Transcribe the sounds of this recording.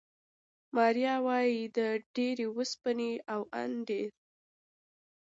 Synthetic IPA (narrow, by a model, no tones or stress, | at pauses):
mɑɾjɑwɑjid̪əɖeɾewəspəneawʔa̰nd̪e